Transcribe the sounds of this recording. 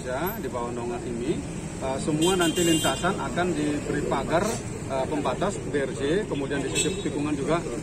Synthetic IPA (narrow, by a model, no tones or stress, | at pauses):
d͡ʒadibawandoŋaʔini | əsəmuanant̪ilint̪asanʔa̰kandibəɾipaɡar | əpəmbat̪asbɛrd͡ʒekəmudiandisisipt̪ikuŋand͡ʒuɡa